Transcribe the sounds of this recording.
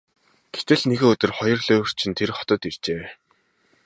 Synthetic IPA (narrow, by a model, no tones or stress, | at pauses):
ɡ̥et̪ɘ̆ɮneɣeːɵt̪ɵ̆rχɔjɞ̆rɮoːr̥t͡ɕʰĭnt̪ʰerχɔ̥t̪ɞ̆t̪ir̥t͡ɕeː